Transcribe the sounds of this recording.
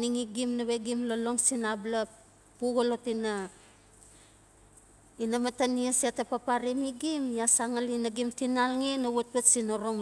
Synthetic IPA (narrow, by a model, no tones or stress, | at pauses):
niŋiɡimnaβe̞ɡimlolo̞ŋsinabla | puɡolotina | inamataniesetapapaɾimiɡimjasaŋalinaɡimtinalŋinawot̚petsinoɾoŋ